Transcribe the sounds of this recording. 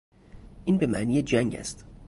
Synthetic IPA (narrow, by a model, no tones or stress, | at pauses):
ʔiːnbe̞mæʔniːjed͡ʒæŋɟæ̰st̪